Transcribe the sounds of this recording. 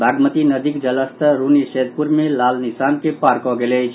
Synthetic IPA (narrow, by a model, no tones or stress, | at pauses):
bʱaɡmət̪inəd̪ikd͡ʒələst̪ʰəɾunised̪̚puɾmelalnisankepaɾkɔɡelet͡ʃʰ